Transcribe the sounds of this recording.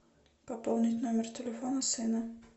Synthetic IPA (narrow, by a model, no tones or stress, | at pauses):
pɐpɔlˠnʲɪtʲnomʲɛrt̪ʲɪlʲɛfɔnɐsɨnɐ